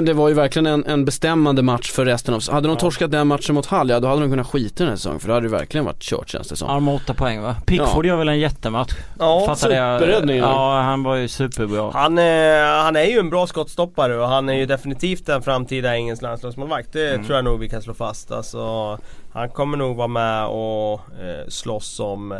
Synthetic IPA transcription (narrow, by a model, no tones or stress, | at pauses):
d̪ɛvaɾjɵvæɾklɪɡənɛnɛnbɛst̪ɛmːand̪əmat̪ʂfœɾːɛst̪ənavhad̪ːəɾɔmt̪ʰɔʂkat̪̚d̪ɛnmat̪ʂənmʊt̪halːjad̪ɔhad̪əɾɔmkɵnːat̪ɧiːt̪adɛnhæ̰ːʂsɛsɔ̰ŋːə̰nfœɖɛhad̪ːɾjəvæ̰ɾklɪɡənva̰ʈːɕœ̰ːʈsḛːna̰st̪əsɛsɔ̰mɔt̪ːapʰɔɛŋːvapʰɪfɔɖaɾvɛlɛnjɛt̪ːəmat̪ɧ | ɑːfasːaʉːɛpəɾɛd̪nɪŋəːhanvaɾjəsʉ̟ːpəɾbɾɑːhanhanæɾjɵɛnbɾɑːskɔt̪ːst̪ɔpːaɾəɔɦanæɾjɵd̪ɛfɪnɪt̪ʰiːft̪̚d̪ɛnfɾamːt̪ʰiːd̪aɪŋːənslanslɑːɡsmoːlvak̚t̪̚d̪ɛt̪ʰɾuːjanuːɡvɪkʰansloːfast̪a̰lsɔha̰nkʰɔmːəɳuːɡvɑːɾamɛɔ | slɔsːɔm